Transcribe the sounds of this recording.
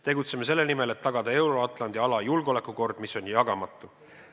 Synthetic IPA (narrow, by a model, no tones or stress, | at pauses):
t̪e̞ɡut̪semese̞lːenimele̞t̪ːɑɡ̥ɑd̪̥ɑe̞wɾo̞ɑt̪ˑlɑnd̪̥iɑlɑjulɡ̥o̞le̞kːˑuko̞rd̪̥miso̞nʲjɑɡ̥ɑmɑt̪ːˑu